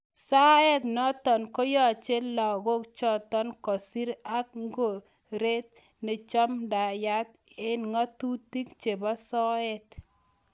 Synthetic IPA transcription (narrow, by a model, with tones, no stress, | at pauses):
sa˦ɛ˦t̪nɔ˦tɔ˨nko˦jɔ˦˨t͡ʃe˦lɔ˨ɡo˦kt͡ʃɔ˦t̪ɔ˦nkɔ˨si˦ɾa˦k̚ŋɡo˨ | ɾe˦t̪̚ | ne˨t͡ʃɔ˦mda˨ja˦t̪̚ | ɪ˦nŋa˦tu˦ti˦kt͡ʃe˨ba˦sɔ˦ɛ˦t̪